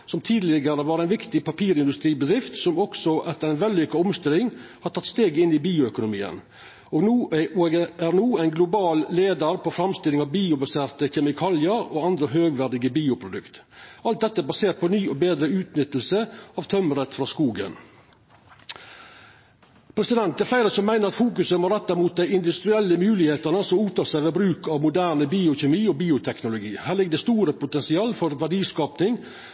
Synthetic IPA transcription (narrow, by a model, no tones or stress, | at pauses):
sɔmt̪ʰiːd̪lɪɡəɾəʋɑːɾɛɪnʋɪkt̪ɪpɑpʰiːɾɪnd̪ʉst̪ɾiːbəd̪ɾɪft̪sɔmɔksɔʔɛt̪ːəɾæɪnʋɛlːʏkɑɔmst̪ɪlɪŋhɑʈ̪ʰɑt̪ːst̪eːɡɪnːɪbiːʊœkʊnʊmḭːə̰n | oːɡnuːɡæɾnuːæɪnɡlʊbɑːlːeːd̪əɾpʰɔfɾɑmst̪ɪlɪŋɑʋbiːʊbɑseːɾt̪əçɛmɪkʰɑːljəɾoːɑnd̪ɾəɦøːɡʋæɖɪɡəbiːʊpʰɾʊd̪ʉkt̪ɑlt̪̚d̪ɛt̪ːəæbɑseːɾʈ̪̚pʰɔnyːɔbeːd̪ɾəʉːt̪nʏt̪ːəl̩səɑːʋt̪ʰœmɾɛt̪fɾɑskuːɡə̰n | pʰɾɛsɪd̪ɛnt̪̚d̪æɾfæɪɾəsɔmːæɪnəɾɑt̪fuːkʉsəmoːɾɛt̪ːæɪmuːt̪̚d̪æɪɪnd̪ʉst̪ɾɪɛlːəmʉːlɪheːt̪ənəsɔmuːt̪ʰɑːsæɪʋeːbɾʉːkɑʋmʊd̪æːɾnəbiːʊçɛmiːoːbiːʊt̪ʰɛknʊlʊɡiːhæːɾɭɪɡ̚d̪ɛst̪uːɾəpʊt̪ɛnsɪɑːlfɔɾʋæɖiːskɑːpnɪŋ